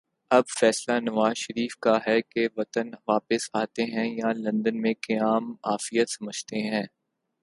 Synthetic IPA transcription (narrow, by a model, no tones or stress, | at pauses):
ɐbfɛːslanɐʋaːzʃɐɾiːfkaɦɛkeʋɐt̪ənʋaːpɪsaːt̪eɦɛ̃jalɐ̃nd̪ənmẽkɐjaːmaːfijət̪sɐməd͡ʒt̪eɦɛ̃ː